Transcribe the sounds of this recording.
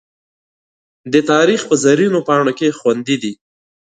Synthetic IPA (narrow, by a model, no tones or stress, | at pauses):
d̪ət̪ɑɾixpəzaɾinopɑɳokexwand̪id̪i